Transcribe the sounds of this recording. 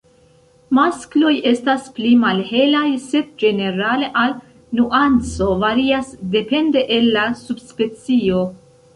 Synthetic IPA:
masklo̞je̞stasplimalhe̞lajse̞d̚d͡ʒe̞ne̞ɾale̞ʔal | nuʔant͡so̞vaɾiasde̞pe̞nde̞ʔelːasubspe̞t͡sio̞

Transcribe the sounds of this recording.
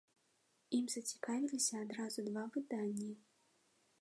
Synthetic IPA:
imz̥ɐt͡sʲi̥kavʲilʲisʲɐːd̪ɾazud̪vavɨd̪anʲːi

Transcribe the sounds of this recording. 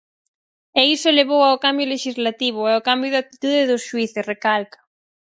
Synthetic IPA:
eseleβ̞owaokambjoleʃizlat̪iβ̞ʊɛokambjoðat̪it̪uðeðosʃuiθesrekalkḁ

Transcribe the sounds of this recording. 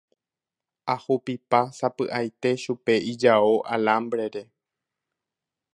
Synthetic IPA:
ahupipasapɨʔajt̪e̞ʃupe̞id͡ʒaoʔalãmbɾe̞ɾe̞

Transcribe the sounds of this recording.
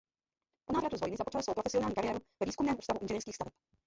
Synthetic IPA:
ponaːvɾat̪uzvo̞jnɪzapot͡ʃalsowpɾofɛsɪonaːlɲikaɾɪjɛːɾuvɛviːskumnɛːmuːst̪avuʔɪnʒɛniːrskiːxst̪avɛp

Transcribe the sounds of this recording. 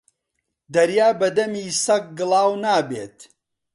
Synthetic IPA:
d̪ɐɾjaːbɐd̪ɐmiːsɐk̚ɡɨlˠaːwnaːbeːt̪

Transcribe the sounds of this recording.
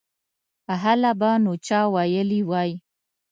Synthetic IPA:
aɦalabanot͡ʃɑwajəliwɑji

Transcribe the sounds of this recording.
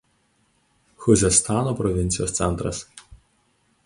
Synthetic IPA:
xʊzʲɛst̪ɑːnoːpɾɔʋʲɪnʲt̪sʲɪjoːssʲɛnt̪ɾɐ̰s

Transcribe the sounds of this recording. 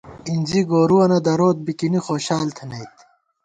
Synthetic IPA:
inʲd͡ʑiɡoːɾuwɐnɐd̪ɐɾoːt̪̚bikinixoːɕaːlt̪ʰɐnɐjt̪

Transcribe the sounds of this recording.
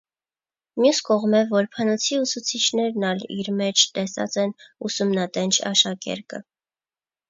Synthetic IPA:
mjuskɔʁmɛvɔɾpʰənɔt͡sʰiusut͡sʰit͡ʃʰnɛɾnɑlḭɾmɛt͡ʃʰt̪ɛsɑ̰t͡sɛnusumnɑt̪ɛnt͡ʃʰɑ̰ʃɑkɛ̰ɾkə̰

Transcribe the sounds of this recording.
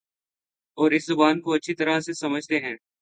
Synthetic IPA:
ɔːɾɪszʊbaːnkoɐtːʃʰit̪ɐɾasesɐməd͡ʒʱt̪eɦɛ̃ː

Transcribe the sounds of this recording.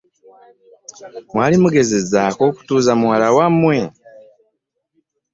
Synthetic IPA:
mwaːlimuɡe̞ze̞zaːko̞ːku̥tuːzamuwalawamːwe

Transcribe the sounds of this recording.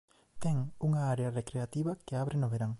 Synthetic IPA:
t̪ɛŋuŋaaɾearekɾeat̪iβɐkeaβɾenoβeɾaŋ

